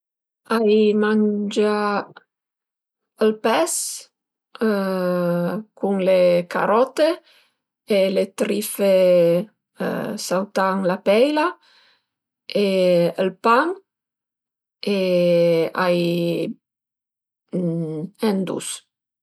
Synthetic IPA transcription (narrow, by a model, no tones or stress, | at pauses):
ajmand͡ʒa | əlpɛs | kuŋleka̰ɾɔt̪e | elet̪ɾife | ə̰sawt̪aŋlapɛjla | eəlpaŋ | e | aj | ɛnd̪ṵs